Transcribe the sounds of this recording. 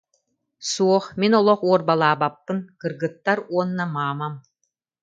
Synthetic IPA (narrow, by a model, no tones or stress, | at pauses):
suɔχminɔlˠɔχuɔɾbalˠaːbapːɯnkɯɾɡɯt̪ːaɾuɔnːamaːmam